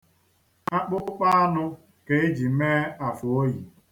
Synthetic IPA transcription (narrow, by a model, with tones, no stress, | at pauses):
a˦k͡pʊ˦k͡pa˦a˦nʊ˦ | ke˨e˦d͡ʒi˨meː˦a˨fʊ˨o˦ji˨